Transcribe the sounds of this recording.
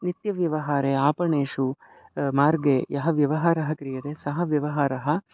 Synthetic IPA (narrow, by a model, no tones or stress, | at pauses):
nit̪jɐʋjɐʋɐɦaːɾeaːpɐɳeːʃu | maːɾɡejɐɦɐʋjɐʋɐɦaːɾɐɦɐkɾijɐt̪eːsɐɦɐʋjɐʋɐɦaːɾɐɦɐ